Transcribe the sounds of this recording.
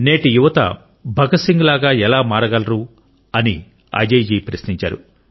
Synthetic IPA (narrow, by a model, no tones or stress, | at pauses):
neːʈijuʋɐt̪ɐ̰ | bʱɐɡɐsiŋɡlaːɡaːɛlaːmaːɾɐɡɐlɐɾu | ɐni | ɐ̰d͡ʒeːjd͡ʒiːpɾɐsniɲt͡ʃa̰ːɾṵ